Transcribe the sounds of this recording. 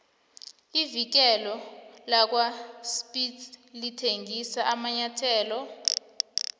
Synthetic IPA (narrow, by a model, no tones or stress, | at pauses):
ivik̬ɛlɔlak̬waspʼidlitʰeŋɡisaʔamaɲatʰɛːlɔ